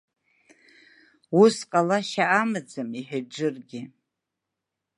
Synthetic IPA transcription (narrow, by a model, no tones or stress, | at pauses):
wusqʼalaʃaʔːmɨd͡zɨmiħᶣad͡ʒɨrɡʲɪ